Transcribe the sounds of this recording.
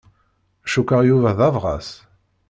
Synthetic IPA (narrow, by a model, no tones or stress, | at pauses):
æʃukːəʁjuvæðɑvʁɑ̰s